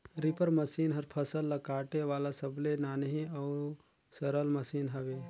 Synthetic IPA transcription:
ɾipəɾmɐsiːnɦɐɾpʰɐsəlːɐkaːʈeʋaːlasəblenaːnɦĩɔːɾ | sɐɾəlmɐsiːnɦɐʋeː

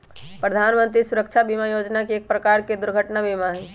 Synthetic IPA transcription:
pɾəd̪ʱaːnmə̃nt̪ɾisʊɾəkt͡ʃʰabimajoːd͡ʒnakieːk̚pɾəkaːɾked̪ʊɾɡʱəʈnabimaɦɛ

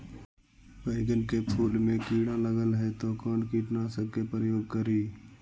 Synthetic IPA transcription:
pəɪɡənkepʰuːlmẽkiːɽãːləɡəlɦɛːt̪oːkoːnkiːʈnaːsəkepɾjoːɡ̚kəɾiː

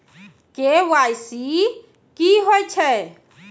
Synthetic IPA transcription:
kewajsi | kiɦojt͡ʃʰɛ

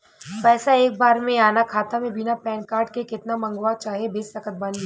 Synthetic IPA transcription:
pɛːsaeːk̚baːɾmẽaːnakʰaːt̪amẽbɪnapɛːnkaːɾɖkekɪt̪namɐ̃ŋɡwat͡ʃaːɦiebɪsɐkət̪̚baniɦ

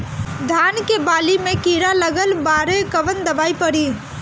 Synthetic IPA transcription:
d̪ʱaːnkebaːlimẽkiːɾaləɡəlbaːɾekəʋənd̪əbaːipəɾiː

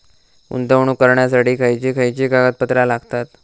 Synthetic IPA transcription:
ṵnt̪əʋɳ̃uːkəɾɳjasaʈiːkʰajt͡ɕiːkʰajt͡ɕiːkaɡət̪̚pət̪ɾalaɡt̪at̪

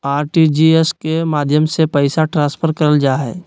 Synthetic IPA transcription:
aːɾʈid͡ʒieskemaːd̪ʱjəmsepɛɪsaʈɾãːspʰəɾkɐɾəld͡ʒaːɦɛ̰ː

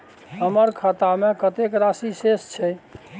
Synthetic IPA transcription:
ɦəməɾkʰat̪amekət̪ekɾasisest͡ʃʰɛ

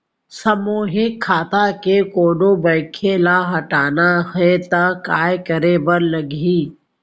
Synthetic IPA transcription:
səmoːɦɪkʰːaːt̪akekoːɖõbəɪkʰelaɦɐʈaːnahɛt̪akaːjkəɾebəɾləɡiː

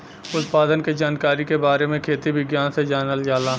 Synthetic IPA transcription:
ʊt̪paːd̪ənked͡ʒaːnkaːɾikebaːɾemẽkʰeːt̪iʋɪɡjaːnsed͡ʒaːnəljaːlaː

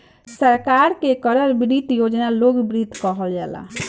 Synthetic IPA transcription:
səɾkaɾkekəɾəɾbɾit̪jod͡ʒnaloɡbɾit̪kəɦəld͡ʒɛla̰

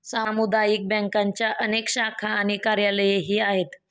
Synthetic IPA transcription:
samud̪ajiːk̚bɛ̃ŋkãɲt͡ɕjaʔənekɕakʰaːñikaɾjaləjeɦiːaɦet̪

